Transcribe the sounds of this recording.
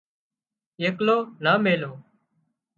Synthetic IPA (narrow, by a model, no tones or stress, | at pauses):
jeːkloːnaːmeːloː